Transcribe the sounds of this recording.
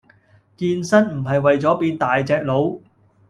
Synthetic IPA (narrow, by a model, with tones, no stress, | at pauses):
kiː˧nsɐ˥nm̩˨˩ɦɐ˨jwɐ˨jt͡sɔː˨˥piː˧nt̪aː˨jt͡sɛː˧k̚lo˨˧w